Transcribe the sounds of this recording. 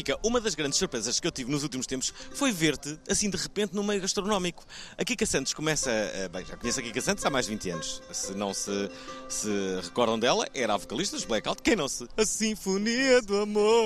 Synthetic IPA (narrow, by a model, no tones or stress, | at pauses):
fikɐʔumɐðɐʒɣɾɐ̃nd̪ʃsuɾpɾezɐʃkewt̪ivnuzulˠt̪̬imuʃt̪ẽmpuʃfojveɾt̪ɨɐsĩd̪ɨʁɨpẽnt̪numɐjuɣɐʃt̪ɾunɔmiku̥ɐkikɐsɐ̃nt̪u̥ʃkumɛsɐɐ̰bɐ̃j̃ʒa̰kuɲesɐkikɐsɐ̃nt̪uzamajʒd̪vĩnt̪ɐ̰nuʃsɨnɐ̃w̃sɨ | sɨʁɨkɔɾðɐ̃w̃d̪ɛlˠɐ̰ʔɛɾavukɐlˠiʃt̪ɐʒβlˠɛkawt̪̚kɐ̃j̃nɐ̃w̃sɨɐsĩfuniɐd̪uɐmo